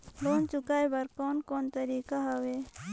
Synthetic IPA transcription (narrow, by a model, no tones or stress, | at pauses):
loːnt͡ʃukaːjbɐɾkoːnkoːnt̪əɾiːkaɦɐwe